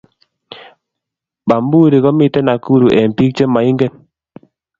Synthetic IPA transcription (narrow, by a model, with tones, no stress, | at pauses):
ba˨mbu˦ɾe˨kɔ˦mɪ˦tɛ˦na˨ku˦ɾu˨ʔɛ˨m˨pi˦k̚t͡ʃe˦ma˨i˦ŋɡɛ˦n